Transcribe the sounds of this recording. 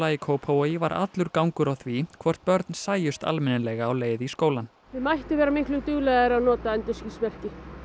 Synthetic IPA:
lajikʰoːwphoːwajɪvaɾʔa̰t̪lʏɾkawŋkʏɾawθvikʰvɔr̥t̪̚pœɾt̪nsaːjʏst̪a̰lmɪnɪnlɛɣaːwleːjðiskoːwlan | vɪðmajht̪ɪvɛːɾamɪhklʏɣt̪ʏɣlɛɣaɾanɔːt̪aɛnt̪ʏscismɛl̥cɪ

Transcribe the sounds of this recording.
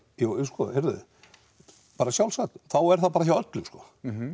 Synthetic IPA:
jowskɔhɛɾðʏ̰ | paːɾasjawlsat̪nθawɛɾ̥θapaːɾaθjawœt̪lʏskɔ̥

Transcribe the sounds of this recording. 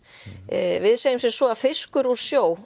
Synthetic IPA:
vɪðsejʏmsɛsɔafɪskʏɾuɾ̥sjoːw

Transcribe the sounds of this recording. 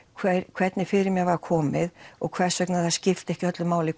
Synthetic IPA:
kʰvɛkʰvɛt̪nɪfɪɾɪɾmjɛɣvaɾkʰɔːmɪðɔ̰ɣkʰv̥ḁsvœknaðθascɪft̪ɛhcɪœt̪lʏmaːwlɪ

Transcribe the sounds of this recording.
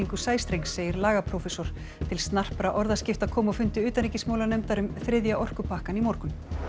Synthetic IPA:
iŋkʏsaːjst̪ɾeŋkseːjɪɾlaːɣapʰɾɔwfɛsɔɾ̥ | t̪ʰɪlst̪nar̥pɾaʔɔɾðascɪft̪aðkʰɔːmafʏnt̪ɪʏːt̪anicɪsmaːwlanœmt̪aɾʏmθɾɪðjaʔɔr̥kʏpʰaːhkanimɔɾkʏm

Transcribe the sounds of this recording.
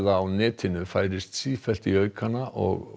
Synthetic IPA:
ðaːwnɛːt̪ʰɪnʏfaːjɾɪst̪siːfɛl̥t̪iœːɥkʰanːaʔɔ̰ɣ

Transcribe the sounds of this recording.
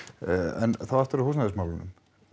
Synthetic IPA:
ɛ̰nθaðaft̪ɛɾhuːsnaðɪsmawlɪnʏ̰m

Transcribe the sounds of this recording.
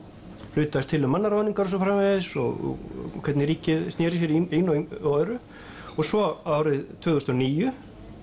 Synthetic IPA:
l̥ʏːt̪ast̪ʰɪlʏmːanːaɾaːwniŋkaɾɔs̬ɔfɾaːmɪðɪsɔ̰ɣɔ̰ɣkʰvɛt̪nɪɾiːcɪðst̪ɛːɾɪs̬jɛɾiinːɔɔːɥɾʏ | ɔɣsɔawɾɪðt̪ʰvœːðʏst̪ɔniːjʏ

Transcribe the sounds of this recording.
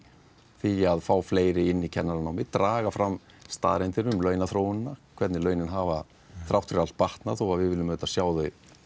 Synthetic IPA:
θiaðfaːwfleːjɾɪɪnːicʰɛnːaɾanawmɪt̪ɾaːɣafɾam | st̪a̰ːðɾɛnt̪ɪɾʏmlœːɥnaθɾoːwʏnːakʰvɛɾt̪nɪlœːɥnɪnɦaːva | θɾʔawht̪ʰɾalt̪̚paht̪naθowaðvɪðvɪlːʏmɛt̪asjaːwðœ

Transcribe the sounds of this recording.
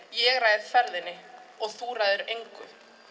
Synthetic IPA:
jɛɣraːjðfɛɾðɪnːɪɔɣθuɾaːjðʏɾejŋkʏð

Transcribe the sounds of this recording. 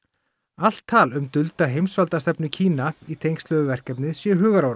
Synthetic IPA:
al̥t̪ʰːaːlʏmt̪ʏlt̪aɦejmsvalt̪ast̪ɛpnʏcʰiːnait̪ʰejŋkst̪lœːvʏvɛr̥cɛpnɪðsjɛɦʏːɣaɾawɾa

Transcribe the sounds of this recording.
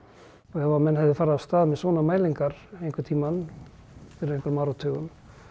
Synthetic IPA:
ɔɣhɛvamɛnːhɛvðɪfaːɾɪðavst̪aːðmɛðsɔːnamaːjliŋkaɾ̥ejŋkʰvʏt̪ʰiːman | fɪɾɪɾẽjŋkʏɾmawɾat̪ʰʏːɣʏm

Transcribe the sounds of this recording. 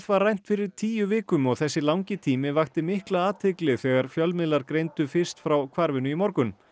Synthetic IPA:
θvarːajn̥t̪fɪɾɪɾt̪ʰiːjʏvɪːkʏmɔɣθɛsːɪlawŋcɪt̪ʰiːmɪvaxt̪ɪmɪhklaaːt̪ʰɪklɪθɛɣaɾ̥fjœlmɪlaɾkɾejnt̪ʏfɪr̥st̪fɾawkʰv̥aɾvɪnʏimɔɾkʏn

